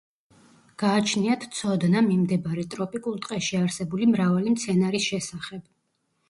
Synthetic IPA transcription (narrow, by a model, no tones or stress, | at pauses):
ɡ̥aːt͡ʃʰniat̪ʰt̪sʰɔd̪namimd̪ɛbaɾɛt̪ʼɾɔpʼikʼulˠt̪ʼqʼɛʃiaɾsɛbulimɾavalimt̪sʰɛnaɾisʃɛsaχɛb̥